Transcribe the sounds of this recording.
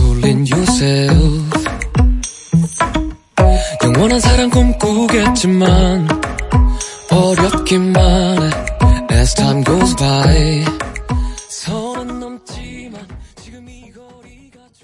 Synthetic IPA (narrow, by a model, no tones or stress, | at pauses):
pulːinjʌsɛlf | jʌŋwʌnɦansʰaɾamkomk͈uɡet̚t͡ɕ͈iman | ʌɾjʌt̚kimːan | ɛz̥tʰaɪmɡoʊzbaj | sʰʌnɯnːʌmt͡ɕimant͡ɕiɡɯmiɡʌɾiɡa